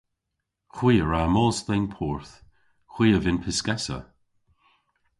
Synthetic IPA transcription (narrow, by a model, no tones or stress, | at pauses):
xw̥iːəɹamɔːst̪ejnpʰɔːɹθ | xw̥iːəvɪnpʰɪskɛsə̰